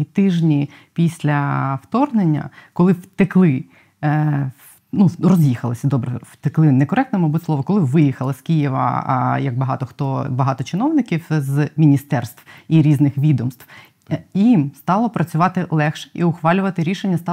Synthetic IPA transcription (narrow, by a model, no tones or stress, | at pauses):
it̪ɪʒnʲi | pʲisʲlʲɐwt̪ɔrnenʲːɐ̰kɔlˠɪwt̪ɪklˠɪ | nurɔzʲjixɐlˠɪsʲɐd̪ɔbɾɛwt̪ɪklˠɪnɛkɔɾɛk̚t̪nɛmɔbutʲsˠɔʋɔkɔlˠɪʋɪjixɐlˠɐskʲijiʋɐ̰jɐɡ̚bɐɦɑ̰t̪ɔxt̪ɔbɐɦɑt̪ɔt͡ʃɪnɔwnɪkʲiwzmʲinʲist̪ɛrst̪ʋiɾʲiznɪxʋʲid̪ɔmst̪w | jimst̪ɑlˠɔpɾɐt͡sʲʊʋɑt̪ɪlˠɛxʃɛ̥ʔiʊxʋɑlʲʊʋɐt̪ɪɾʲiʃenʲːɐst̪ɑ